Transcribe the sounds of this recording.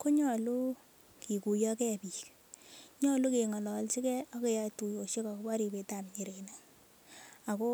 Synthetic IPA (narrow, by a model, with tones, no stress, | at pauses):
ko˦ɲɔ˨lu˦ | ki˨ku˨jɔ˦kɛ˦˨pi˨k | ɲɔ˦lu˦ke˨ŋɔ˨lɔ˨lsi˦kɛ˦ɔ˦ke˨ja˧tu˨jo˨ʃe˦ka˨kba˦ɾi˨pe˨ta˨mɲi˨ɾe˨na˦ | a˨ko˦